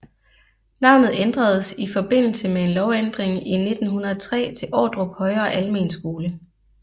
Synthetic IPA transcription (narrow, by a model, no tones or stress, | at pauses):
nɑ̈ʊ̰nð̩ˠend̥ʁɐð̞̩ˠsifɒ̽b̥e̝n̰l̩səmee̝nlɒʊend̥ʁeŋine̝d̥n̩hunɐt͡sʰʁɛ̰ːt͡sʰe̝lʔɒ̰ːd̥ʁɔb̥hɒ̽ɪɐːʔælme̝ːnsɡ̥o̝ːlə